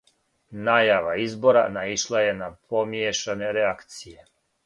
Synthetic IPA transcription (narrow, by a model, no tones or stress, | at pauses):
najaʋaizbo̞ɾa̰naiʃlˠaje̞napʰomjeʃane̞ɾeakt̪sije̞